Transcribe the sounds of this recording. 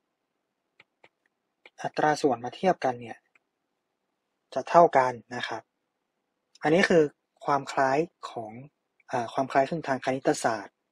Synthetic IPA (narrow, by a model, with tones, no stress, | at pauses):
ʔa˨˩t̪ɾaː˧su˨˩ənmaː˧t̪ʰi˥˩əp̚ka˧nːi˥˩ɐ | t͡ɕa˨˩t̪ʰa˥˩wka˧nːa˦˥kʰa˦˥p̚ | ʔa˧nːiː˦˥kʰɯː˧ | kʰwaː˧mkʰlaː˦˥jkʰɔː˩˦ŋ | ʔaː˨˩kʰwaː˧mkʰlaː˦˥jkʰɯ˥˧˩ŋt̪ʰaː˧ŋkʰa˧ni˦˥t̪ʰːa˧saː˨˩t̪̚